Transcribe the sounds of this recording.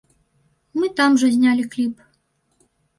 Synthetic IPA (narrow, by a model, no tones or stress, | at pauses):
mɨt̪amʐɐzʲnʲalʲiklʲip